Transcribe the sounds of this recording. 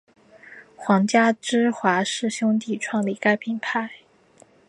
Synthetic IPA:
xwɑ˧˥ŋt͡ɕja˥ʈ͡ʂɻ̩˥xwa˧˥ʂɻ̩˥˩ɕjʊ˥ŋt̪i˥˩ʈ͡ʂʰwɑ˥˩ŋli˧˥ka˥ɪpʰi˨˩ŋpʰa˥˩ɪ

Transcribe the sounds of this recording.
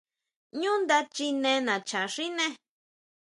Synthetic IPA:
ɲũ˦nd̪a˧t͡ʃi˧nẽ˧nã˨t͡ʃa˨ʂi˦nẽ˦

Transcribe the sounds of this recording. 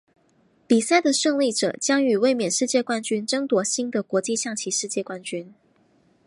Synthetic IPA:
pi˨˩sa˥˩ɪd̪ə˨ʂɤ˥˧ŋli˥˩ʈ͡ʂɤ̰˨˩t͡ɕjɑ˥ŋy˨˩we˥˩ɪmjɛ˨˩nʂɻ̩˥˧t͡ɕjɛ˥˧kwa˥nt͡ɕy˥nʈ͡ʂɤ˥ŋt̪wɔ˧˥ɕi˥ŋd̪ə˨kwɔ˧˥t͡ɕi˥˧ɕjɑ˥˩ŋt͡ɕʰi˧˥ʂɻ̩˥˧t͡ɕjɛ˥˩kwa˥nt͡ɕy˥n

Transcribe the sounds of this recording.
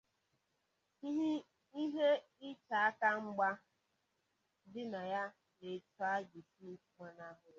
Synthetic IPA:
i˦ɦi˦ | i˦ɦe˦ | ɪ˦t͡ʃa˨a˦ka˦ŋ͡m̩˦ɡ͡ba˦ | dɪ˦na˨ja˦ | ne˨tʊ˦a˦ɡi˨fi˦fu˦ma˦na˦ɦʊ˨˦

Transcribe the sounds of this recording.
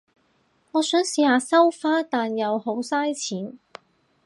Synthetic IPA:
ŋɔː˨˧sœː˨˥ŋsiː˨˧haː˨˧sɐ˥wfaː˥t̪aː˨njɐ˨˧who˨˥wsaː˥jt͡sʰiː˨˥n

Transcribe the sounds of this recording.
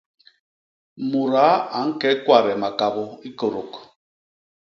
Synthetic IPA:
mu˨ɾa˨˦a˨˦ŋ̩˦kɛ˦kwa˨ɾɛ˨ma˨ka˨bo˦i˦ko˨ɾo˨k

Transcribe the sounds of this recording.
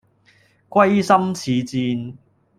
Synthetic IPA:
kʷwɐ˥jsɐ˥mt͡sʰiː˨˦t͡siː˧n

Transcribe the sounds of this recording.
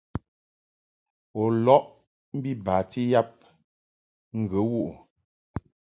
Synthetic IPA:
ɔ˨lɔ˦ʔ | m̩˦bi˦baː˨ti˦ja˦p̚ | ŋ̩˨ɡə˨˦wu˦ʔu˨

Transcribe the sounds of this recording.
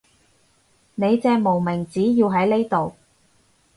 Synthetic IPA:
ne˨˧jt͡sɛː˧mo˨˩wmɪ˨˩ŋt͡siː˨˥jiː˧wɦɐ˨˥jne˥jt̪o˨w

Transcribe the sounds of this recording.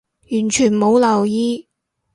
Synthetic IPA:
jyː˨˩nt͡ʃʰyː˨˩nmo˨˧wlɐ˨˩wjiː˥

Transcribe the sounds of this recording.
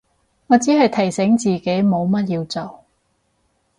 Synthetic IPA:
ŋɔː˨˧t͡siː˨˥hɐ˨jt̪ʰɐ˨˩jsɛ˨˥ŋt͡siː˨ke˨˥jmo˨˧wmɐ˥t̚jiː˧wt͡so˨˩w

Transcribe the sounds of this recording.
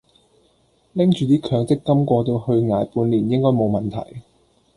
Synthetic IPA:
lɪ˥ŋt͡ʃyː˨˧t̪iː˥kʰœː˨˧ŋt͡sɪ˥kːɐ˥mkʷɔː˧t̪̬o˧whɵ˧ɥŋaː˨˧jpuː˨˧nliː˨˩njɪ˥ŋkɔː˥jmo˨˧wmɐ˨˩nt̪ʰɐ̰˨˩j

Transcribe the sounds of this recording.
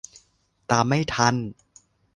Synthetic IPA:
t̪aː˨˩ma˥˩jt̪ʰa˧˩n

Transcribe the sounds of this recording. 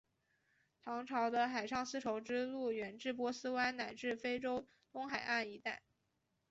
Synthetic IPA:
t̪ʰɑ˧˥ŋʈ͡ʂʰɑ˧˥ʊd̪ə˧xa˨˩ɪʂɑ˥˩ŋsɹ̩˥ʈ͡ʂʰo˧˥ʊʈ͡ʂɻ̩˥lu˥˩ɥɛ˨˩nʈ͡ʂɻ̩˥˩p̬wɔ˧˥sɹ̩˥wa˥nna˨˩ɪʈ͡ʂɻ̩˥˩fe˥ɪʈ͡ʂo˥ʊ | t̪ʊ˥ŋxa˨˩ɪʔa˥˩ni˧˥t̪a˥˩ɪ

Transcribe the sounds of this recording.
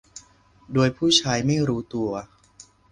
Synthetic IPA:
doː˧jpʰuː˥˩t͡ɕʰaː˧jma˥˩jɾuː˦˥t̪u˧ɐ

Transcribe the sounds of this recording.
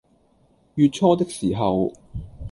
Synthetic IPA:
jyː˨˧t̚t͡ʃʰɔː˥t̪ɪ˥k̚siː˨˩ɦɐ˨w

